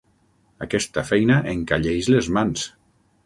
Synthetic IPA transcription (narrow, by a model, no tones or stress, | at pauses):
akɛst̪əfɛjnaʔeŋkaʎejzlezmans